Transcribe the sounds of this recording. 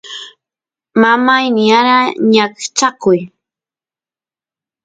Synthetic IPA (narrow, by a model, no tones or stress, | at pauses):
mamajnɪaɾaɲakt͡ʃakʊj